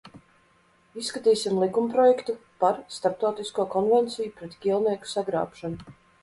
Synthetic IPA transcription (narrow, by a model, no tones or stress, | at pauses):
isːkat̪iːsʲimlˠikumpɾɔjɛkt̪upaɾst̪aɾp̚t̪awt̪iskuɔkɔnvɛnt̪sijupɾɛt̪ɡʲiɛlˠniɛku̥saɡɾa̰ːpʃanu